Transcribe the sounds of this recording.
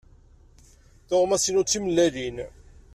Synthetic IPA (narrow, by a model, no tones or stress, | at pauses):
θoʁmæsinʊt͡sːiməlːæðin